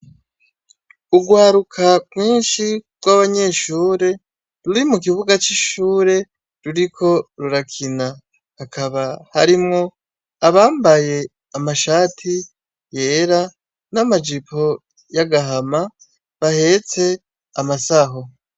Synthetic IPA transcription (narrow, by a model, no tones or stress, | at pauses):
uɡwaːɾukʰaɡwiːnʃiɡ̥waβaɲe̞ʃuːɾe̞ | ɾuɾimuk̬iβuɡat͡ʃiʃuːɾe̞ | ɾuɾikʰo̞ɾuɾakʰinaː | kʰaβahaɾimŋo̞ | aβaːmbaje̞ | amaʃaːtʰi | je̞ːɾa | namad͡ʒipʰo̞ | jaɡaɦama | βahe̞ːt͡se̞ | amasaɦo̞